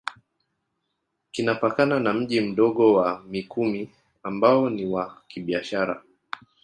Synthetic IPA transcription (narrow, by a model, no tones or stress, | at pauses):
kinapakananam̩ʄim̩ɗɔɠɔwamikʰumi | ambaɔniwakiɓiaʃaɾa̰